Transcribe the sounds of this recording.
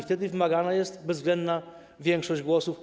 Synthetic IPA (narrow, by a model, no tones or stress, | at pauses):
ft̪ɛd̪ɘvɘmaɡanajɛst̪bɛzːvɡlɛnd̪na | vʲjɛŋkʂɔʑd͡ʑɡwɔsuf